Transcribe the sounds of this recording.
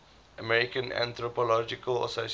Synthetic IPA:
ʔəmɛɹikə̃nã̰nt̪ɹɔpɔlɔd͡ʒikəlɔ̰sos

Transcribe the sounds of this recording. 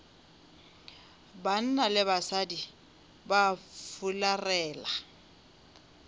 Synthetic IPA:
ban̩nalɪbasadi | bafularɛːla

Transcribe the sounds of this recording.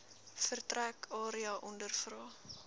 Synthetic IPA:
fərtrækʰɑːɾiɑʔɔndərfrɑː

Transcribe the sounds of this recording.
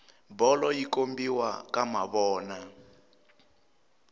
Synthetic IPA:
bɔlɔjikombiwakama̰βɔːna

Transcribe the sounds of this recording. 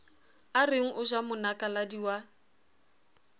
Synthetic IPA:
arɪŋ̩ʔʊʒamʊnakʼaladiwa

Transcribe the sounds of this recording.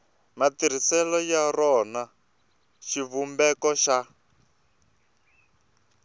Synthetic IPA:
matiɾ̤isɛlɔjarɔna | ʃivumbɛkɔʃa

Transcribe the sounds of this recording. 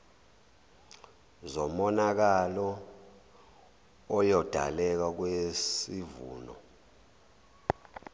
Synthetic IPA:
zɔmɔnak̬alɔ | jɔd̥ʱa̰lɛk̬ak̬wesivṵːnɔ̰

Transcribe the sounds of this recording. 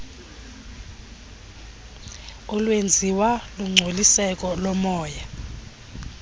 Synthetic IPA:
ɔlwend͡zʱiwaluŋ͡ǀʱolisɛkʼɔlɔmɔːja

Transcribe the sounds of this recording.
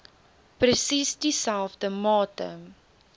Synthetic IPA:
prəsisdisælˠfdəmɑːtə̰

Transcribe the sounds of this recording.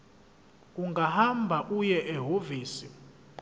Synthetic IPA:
uŋɡʱahambʱaʔujɛʔɛɦoviːsi

